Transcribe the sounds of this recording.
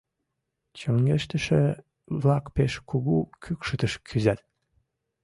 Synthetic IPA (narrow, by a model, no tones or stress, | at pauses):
t͡ɕoŋɡeʃt̪əʃe | βlɑkpeʃkuɣukʰykʃət̪əʃkʰyzæt̪